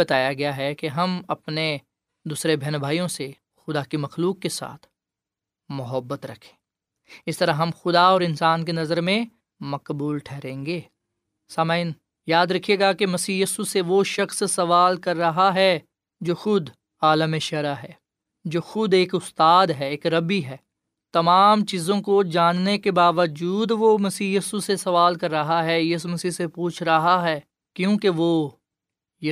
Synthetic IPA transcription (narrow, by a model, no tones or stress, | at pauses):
ɐt̪aːjaɡɐjaɦɛkeɦɐmɐpne | d̪uːsɾebʱɛnbʱaːijõse | xʊd̪akimɐxluːkːesa̰ːt̪ʰ | mʊɦəbːət̪ɾɐkʰẽ̥ː | ɪst̪ɐɾaɦɦɐmxʊd̪aɔːɾɪnsaːnkenɐzəɾmẽ | mɐqbuːlʈʰɛːɾẽːŋɡeː | saːmaːɪn | jaːd̪ɾɐkʰijeɡakemɐsiːjiːsuseʋoʃɐxssɐʋaːlkɐɾːɐɦaɦɛ | d͡ʒoːxʊd̪ | aːləmeʃɐɾaɦɛː | d͡ʒoːxʊd̪eːkʊst̪aːd̪ɦɛeːkɾɐbiɦɛː | t̪ɐmaːmt͡ʃiːzõkod͡ʒaːnnekebaːʋəd͡ʒuːd̪ʋomɐsiːjiːsusesɐʋaːlkɐɾːɐɦaɦɛjɪs̬mɐsiːsepuːt͡ʃʰɾɐɦaɦɛː | kjõːkeʋo | j